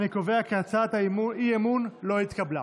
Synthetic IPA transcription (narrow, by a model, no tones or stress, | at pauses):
nikove̞akeat͡sat̪aiemunlo̞it̪kabla